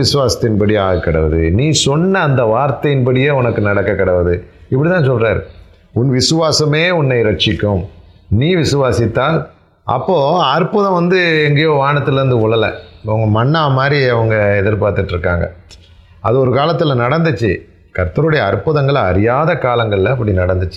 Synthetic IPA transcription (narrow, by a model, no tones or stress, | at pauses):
ɪsɯʋaːsɐ̥t̪ːɪnpɐɽiaːɣɐkːɐɽɐʋɐðɯniːsɔnːɐːnd̪ɐʋaːɾt̪ɐjɪnpɐɽɪjeːʊnɐkːɯnɐɽɐkːɐkːɐɽɐʋɐðɯɪpːɐɽit̪ãːnsɔlraːɾ | ʊnːʋɪsɯʋaːsɐmeːʊnːɐɪɾɐʈt͡ʃːɪkːɯmniːʋɪsɯʋaːsɪt̪ːaːl | ʔɐ̰pːoːɐɾpʊðɐ̃ʋɐnd̪ɯɛŋɡejoːʋaːnɐt̪ːɪlɐɾɯnd̪ɯʊɭːɐlɐ̰ɐʋɐŋɡɐmɐnːaːɐmaːd̪ɾiɐʋɐŋɡɐɛðɪɾpaːɾt̪ɯʈːɪɾɯkːaːŋɡɐ̰ | ɐðɯɔɾɯkaːlɐt̪ːɯlɐnɐɽɐnd̪ɯt͡ʃːɯ | kɐɾt̪ːɐɾɯɽɐjɐːɾpʊðɐŋɡɐɭɐɾɪjaːðɐkaːlɐŋɡɐɭɪlɐɐpːɐɽinɐɽɐnd̪ɯt͡ʃː